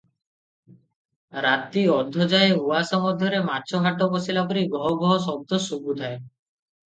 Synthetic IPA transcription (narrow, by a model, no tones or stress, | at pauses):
ɾat̪ːiɔd̪ʱːod͡ʑajeuasɔmɔd̪ʱɔɾemaɾt͡ɕʰoɦaʈokosilapoɾiɡɔɦoɡɔɦos̬ɔb̚d̪ʱosubud̪ʱʰae